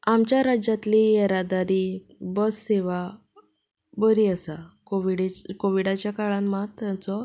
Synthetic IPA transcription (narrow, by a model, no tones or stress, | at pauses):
amt͡ɕjaɾad͡ʑat̪lieɾad̪aɾiː | bəsːeʋa | bəɾiːəsakoʋiɽkoʋiɽat͡ɕjakaɭãnmat̪ːjãt͡sɔ